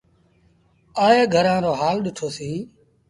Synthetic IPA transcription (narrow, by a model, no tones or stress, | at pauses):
aːeːɡʱəɾãːɾoːɦaːlɗɪʈʰoːsiː